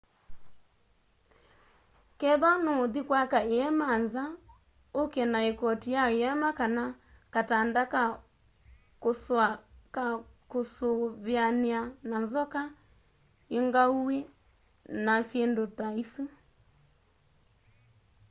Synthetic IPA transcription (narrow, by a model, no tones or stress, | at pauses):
kɛðɔnoðikwakaeɛmanza | okɛnaekɔtijaeɛmakana | katandaka | kosakakosoβjaniananzɔka | eŋɡauwe | nasjɛndotaisu